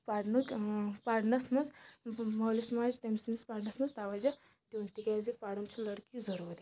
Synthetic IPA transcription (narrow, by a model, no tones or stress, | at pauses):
paɽnukpaːɽnɐsmɐzmɐwlismaːd͡ʒt̪ɐmismispaːɽnɐsmɐst̪aːʋɐd͡ʒɐ | d̪unt̪ikazipaɽɐmt͡ʃʰulɐɽkizɐɾuːɾi